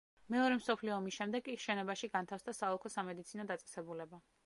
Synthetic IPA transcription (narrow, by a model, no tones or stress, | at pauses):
mɛɔɾɛmsɔpʰliɔːmisʃɛmd̪ɛɡʼiʃɛnɔbaʃiɡant̪ʰafsd̪asaɔlˠkʰɔsamɛd̪it̪sʰinɔd̪at̪sʼɛ̥sɛbulɛba